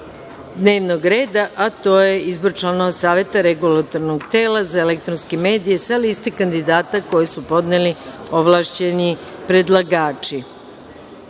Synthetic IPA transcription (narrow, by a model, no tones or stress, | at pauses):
d̪neːʋnoɡɾe̞ːd̪aʔat̪o̞ːje̞ʔizboɾt͡ʃlˠano̞ʋasaːʋe̞t̪aɾeɡulat̪o̞ɾnoɡt̪eːlazaelek̚t̪ɾonskeme̞ːd̪ije̞salist̪ekand̪id̪aːt̪ako̞jesupo̞d̪nelio̞ʋlˠaːʃt͡ɕe̞nipɾe̞d̪lˠaɡaːt͡ʃi